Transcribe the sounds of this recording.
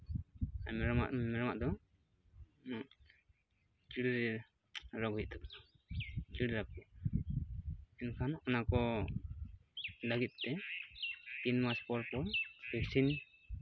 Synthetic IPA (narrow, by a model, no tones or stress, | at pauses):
amɛɾɔma̰ʔmɛɾɔma̰ʔd̪ɔ | kiɽɾi | ɾɔɡʱujt̪̚t̪ʰɔkakiɽɾap̚kɛa | ɛnkʰanɔnakɔ | ləɡit̪̚ˀːɛ | t̪inmaspɔɾpɔɾbɛksin